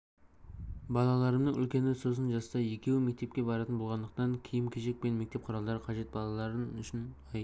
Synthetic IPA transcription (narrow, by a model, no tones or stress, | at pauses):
bɑlˠɑlˠɑɾəmnəŋʏ̰lkʲe̞nɪso̞sənʒɑst̪ɑje̞kʲe̞wɪme̞k̚ʲt̪ep̚kʲe̞bɑɾɑt̪ənbolˠʁɑnd̪əqt̪ɑŋkʲʰijɪmkʲʰeʒe̞k̚pe̞nme̞k̚t̪e̞p̚qʰʊɾɑlˠd̪ɑɾəqʰɑʒe̞t̪̚bɑlˠɑlˠɑɾənʏʃɪnɑj